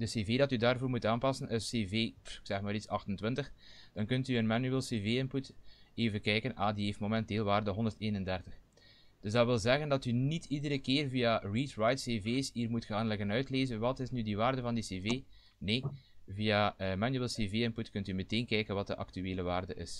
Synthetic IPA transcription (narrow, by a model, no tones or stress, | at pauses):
d̥əseːveːdɑtydaːrvoːrmutaːnpɑsənʔəseːveːɪksɛxmaːɾitsɑxtəntwɪntəxd̥ɑnkɵntyənmanyeːlˠseːveːɪnputeːvənkɛjkənʔaːdiɦeːftmomɛnteːlˠʋaːrdəɦɔndərteːnəndɛrtəx | d̥ɵzdɑʋɪlˠzɛɣəndɑtynitʰidəɾəkɪːrvijariːtrɑjtseːveːsiːrmutxaːnlɪɣənœɥtleːzənʋɑtɪsnydiʋaːrdəvɑndiseːveː | neːviːaəmanyeːlˠseːveːɪnputkɵntyməteːnkɛjkənʋɑt̚dəʔɑ̰ktyeːləʋaːrdəʔɪ̰s